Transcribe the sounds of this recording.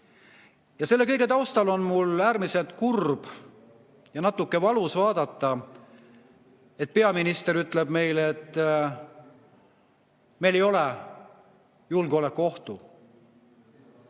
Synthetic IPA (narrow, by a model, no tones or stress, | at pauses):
jɑse̞lːe̞kɤ̞jɡ̥e̞t̪ɑwst̪ɑlo̞nmulæːɾmise̞lt̪kurb̥ | jɑnɑt̪ːˑukːe̞vɑlusvɑːd̪̥ɑt̪ːɑ | e̞t̪̚pe̞ɑminist̪e̞ɾyt̪ːˑleb̥me̞jlet̪ːˑ | me̞jle̞jo̞le | julɡolekːuo̞ht̪u